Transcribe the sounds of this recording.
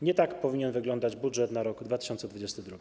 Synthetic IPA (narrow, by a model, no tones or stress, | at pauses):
ɲɛt̪akpɔvʲiɲɛnvɘɡlɔnd̪ad͡ʑbudʐɛt̪naɾɔɡd̪vat̪ɘ̥ɕɔnt̪sɛd̪vud͡ʑest̪ɘd̪ɾuɡʲi